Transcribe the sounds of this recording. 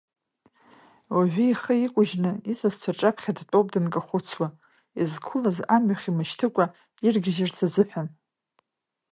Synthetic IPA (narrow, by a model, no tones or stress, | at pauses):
waʕᶣʷiiχəikʷʼʊʒnɨisazt͡sʷʰaʈ͡ʂʼapʰχʲadtʼowpʼdɨnkʼaχʷʊt͡sʰwa | izkʷʰʊlazamɥaχʲimɨʃtʰɨkʷʼa | irɡʲɪʒɪrt͡sʰazɨħʷᶣan